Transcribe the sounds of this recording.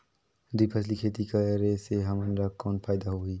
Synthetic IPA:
d̪uiːpʰəsʰlikʰeːt̪ikaɾeseɦɐmənɾakɔːnpʰaːɪd̪aɦoiː

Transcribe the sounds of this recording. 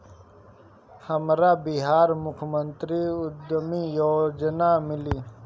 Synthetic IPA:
həmɾaːbiɦaːɾmʊkʰmənt̪ɾiʊd̪mijoːd͡ʒnamɪliː

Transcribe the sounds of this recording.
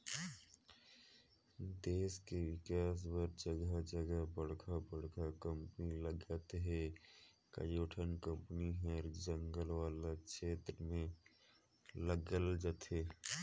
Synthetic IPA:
d̪eːskewɪkaːs̬wəɾd͡ʒəɡad͡ʒəɡəbəɽ̤kʰabəɽkʰakə̃mpniləɡd͡ʒaːt̪eɦɛ̃ | kə̰joːʈʰənkə̃mpəniɦɛ̃d͡ʒə̃ŋɡəlwaːlakʃeːt̪ɾəmẽ | ləɡəld͡ʒaːt̪eː

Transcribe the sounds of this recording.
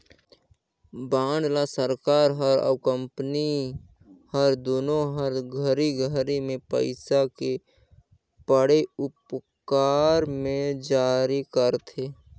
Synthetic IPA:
bãːɳɖ̪lasəɾkaːɾɦəɾə̰bkə̃mpni | həɾd̪oːnoɦəɾɡʱəɾiɡʱəɾimẽpə̰ɪsake | pəɽeʊp | kaːɾmẽd͡ʒaːɾikəɾt̪ʰeː

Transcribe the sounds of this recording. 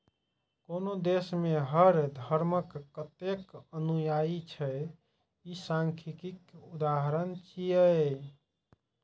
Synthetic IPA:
konod̪esmeɦəɾd̪ʱəɾməkːət̪ekənujait͡ʃʰɛ | isãŋkʰikikud̪aɦəɾənt͡ʃijə

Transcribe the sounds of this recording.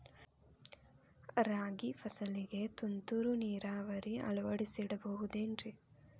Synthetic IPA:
ɾaːɡipʰɐsɐliɡe̞t̪unt̪uɾuniːɾaːʋɐɾiʔɐ̰lɐʋɐɽisiɽɐbɐɦud̪eːɳɾi

